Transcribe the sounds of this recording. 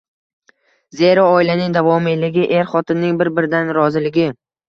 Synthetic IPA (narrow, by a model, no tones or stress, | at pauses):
ze̞ɾaɒɪlanɪŋd̪avɒmelːɪɡʲɪʔe̞ɾχɒt̪ʰɪnːɪŋbɪɾbɪɾɪd̪anɾɒzɪlɪɡʲɪ